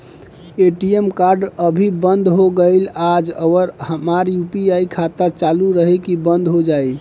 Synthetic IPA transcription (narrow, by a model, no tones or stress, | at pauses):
eʈiemkaɾɖəbʱibənd̪ʱɦoɡəɪlad͡ʒəwəɾhəmaɾjupiaikʰat̪at͡ʃaluɾəɦɛkibənd̪ʱɦod͡ʒai